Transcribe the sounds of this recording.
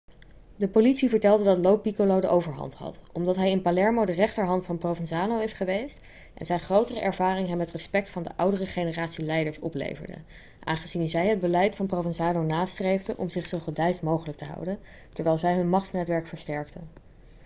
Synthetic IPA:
dəpolitsivəɹtɛlˠdədɑtlowpikolowdəʔowvəɹɦɑ̰ntɦɑ̰tɔmdɑtɦɛjɪnpalɛɹmowdərɛχtəɹɦɑntfɑnprovɛnzaːnowɪsχəʋejst | ʔɛ̰nzɛjnχrowtərəʔɛɹvaːrɪŋɦɛmːɛtrəspɛk̚tfɑndə̰ʔʌwdərəχejnəraːtsilɛjdəɹsɔplḛjvə̰ɹdə̰ | ʔaːnχəzinzɛjɦəd̚bəlɛjtfɑnprowvɛnzaːnownaːstrejvdəʔɔmzɪχsowvɛlˠdɛɥstmowχələk̚təɦɑ̰wdən | tɛɹʋɛjlˠzɛjɦɵnmɑχtnɛtʋɛɹkfəɹstɛɹktən

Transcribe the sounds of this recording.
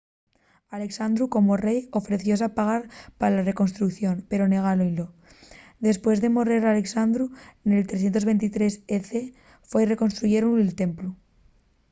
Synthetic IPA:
ale̞ksand̪ɾuko̞mo̞re̞jo̞fɾe̞θjo̞s̬apaɣ̞aɾpaɾalare̞ko̞nst̪ɾukθjo̞npe̞ɾo̞ne̞ɣ̞alonlo̞ | d̪e̞spwe̞zðe̞mo̞reɾale̞ksand̪ɾuene̞lt̪ɾes̬je̞nt̪o̞zβe̞nt̪it̪ɾe̞seθe | fwe̞jre̞ko̞nst̪ɾuʝe̞ɾonelt̪e̞mplu

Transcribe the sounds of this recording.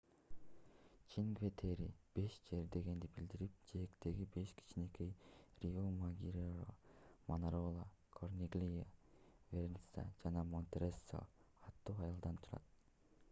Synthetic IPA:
t͡ʃʰiŋɡvet̪ʰeɾḭb̥e̞ʃd͡ʒe̞ɾd̪e̞ɡe̞nd̪ibild̪iɾip̚d͡ʒejekt̪e̞ɡibe̞ʃkʰi̥t͡ʃine̞kʰe̞jrʲiomaɡʲiɾoɾo̰manaɾolˠakʰornʲiɡlʲijaveɾʲnsa̰d͡ʒɑnɑmonʲt̪ʲeɾesːo̰ɑt̪ːuːɑjɑlˠd̪ɑnt̪ʰuɾɑ̰t̪̚

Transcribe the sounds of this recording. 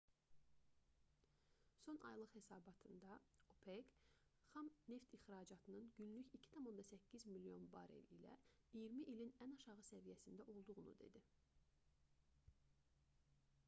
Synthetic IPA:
so̞nʔɑ̰jlˠɯχhe̞sɑːbɑt̪ʰɯnd̪ɑopʰekχɑmne̞ft̪iχɾɑd͡ʒɑt̪ʰɯnɯnɟynlyçicʰi̥t̪ʰɑmond̪ɑsæcːizmilijo̞̰nbɑ̰ɾḛlilæ̰ijiɾmiʔilinænɑʃɑʁɯsævijæsind̪æʔo̞lˠd̪uʁunṵd̪e̞̰d̪i

